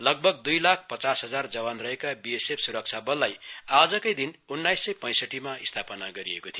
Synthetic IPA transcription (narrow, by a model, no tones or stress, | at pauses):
lʌɡ̚bʱʌɡ̚d̪ujlak̚ʰpʌt͡sasɦʌd͡zard͡zʌbanrʌɦekabiesepʰsuɾʌk̚t͡sʰabʌlːajad͡zʌkʌjd̪inunːajsːʌjpʌ̃j̃sʌʈːimaist̪ʰapʌnaɡʌɾiekot̪ʰijo